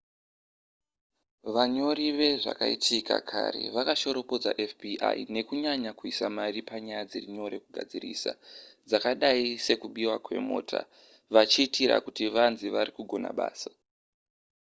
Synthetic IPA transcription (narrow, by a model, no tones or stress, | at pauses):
ʋaɲo̞ɾiʋe̞ʐa̰kaḭtʰika̰kʰa̰ɾe̞̰ʋakaʃo̞ɾo̞po̞d͡za̰ʔefpiʔa̰ine̞kuɲaɲakuisamaripaɲajad͡ziriɲo̞ɾe̞kuɡʱa̰d͡zirḭːsa̰d͡zakaɗaise̞kuɓiwakwe̞̰mo̰ːtʰa̰ | ʋat͡ʃiːtiɾa̰kutiʋanziʋaɾikuɡʱo̞na̰ɓa̰ːsḁ